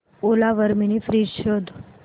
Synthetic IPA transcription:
olaʋəɾminifɾiʃod̪ʱ

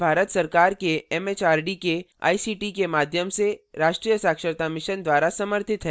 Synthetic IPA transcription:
bʱaːɾət̪sɐɾkaːɾkeɛːmeːt͡ʃaːɾɖike | a̰ːisiːʈikemaːd̪ʱjəmseɾaːʃʈɾijəsaːkʃəɾt̪amɪʃənd̪waːɾasɐməɾt̪ʰɪt̪ɦɛ

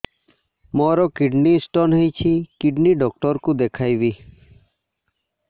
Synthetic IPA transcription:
mɔɾɔkiɖnisʈɔnɦejt͡ʃʰikiɖniɖɔk̚ʈɔɾkud̪ekʰajbi

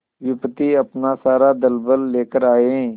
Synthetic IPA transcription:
ʋɪpət̪iːəpnasaːɾaːd̪əlbəlːeːkəɾaːeɦɛ̃ː

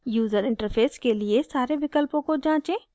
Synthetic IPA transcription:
juːzəɾɪ̃ɳʈəɾpʰeːskeliesaːɾeʋɪkəlpõkod͡ʒãːt͡ʃẽː

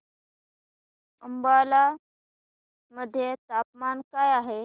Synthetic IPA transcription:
əmbala | məd̪ʱːjet̪ap̚mankajaɦe

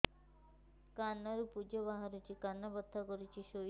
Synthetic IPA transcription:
kanːaɾupud͡ʒɔbaɦaɾut͡ʃʰikanːabɔt̪ʰːakɔɾit͡ʃʰiʃo

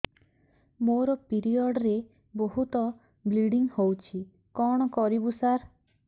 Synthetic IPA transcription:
moɾɔpiɾiɔɖɔɾe | boɦut̪ɔ | bliɽiŋhowt͡ʃʰi | kɔɽ̃ɔkɔɾibusaɾ

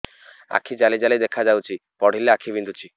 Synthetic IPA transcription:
a̰kʰid͡ʑalid͡ʑalid̪ekʰːad͡ʑawt͡ɕʰipɔɽ̤ʱilːeakʰibind̪ʱut͡ɕʰi

